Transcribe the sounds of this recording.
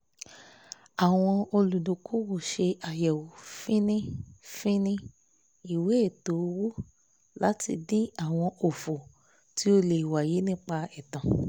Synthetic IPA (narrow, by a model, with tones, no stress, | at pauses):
a˨w̃ɔ̃˧o˧lu˨du˨ku˦wo˦˨ʃe˧a˨jɛ˨wu˨fĩ˦nĩ˦fĩ˦nĩ˦ | i˨we˨˦e˦˨to˨˦˧wu˦ | la˨˦tḭ˧dĩ˦a˨w̃ɔ̃˧o˨fo˨ | ti˨˦o˧le˨wa˨ji˨˦nĩ˦k͡pa˧ɛ˨tã˨